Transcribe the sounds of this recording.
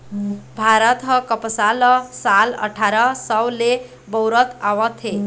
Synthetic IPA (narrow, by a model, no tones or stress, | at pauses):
bʱaɾət̪ɦəkəpsalɔsalə̰ʈʰaɾəsəwle | bəwɾət̪aʋət̪ʰe